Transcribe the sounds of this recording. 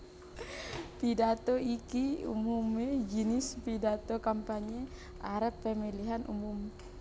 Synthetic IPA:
pidat̪oikiṵmumed͡ʒinispidat̪okampaɲe | ʔaɾəpːɛmiliɦanʔṵmum

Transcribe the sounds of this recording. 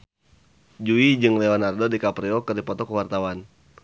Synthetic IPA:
d͡ʒuid͡ʒɨŋleɔnardodikapɾiɔkɨrdipɔt̪ɔkəwart̪awan

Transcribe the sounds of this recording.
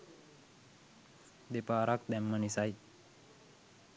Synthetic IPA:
d̪epaːɾak̚d̪ɛmːənisaj

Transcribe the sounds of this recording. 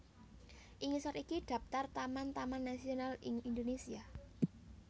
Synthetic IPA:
ʔiŋisɔɾikid̥ä̤pt̪art̪amant̪amanːasionaliŋind̪onesia

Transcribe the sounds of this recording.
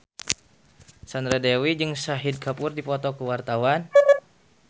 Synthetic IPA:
sandɾadɛwid͡ʒɨŋsaɦid̚kapʊrdipɔt̪ɔkəwart̪awan

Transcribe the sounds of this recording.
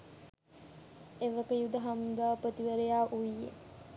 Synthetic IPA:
eʋəkəjud̪əɦamd̪aːpɾət̪iʋəɾejaːʔuijḛ

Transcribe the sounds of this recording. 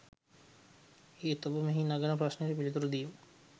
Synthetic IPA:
eːt̪obumeɦinaɡanəpɾasnɾepilit̪uɾud̪ijum

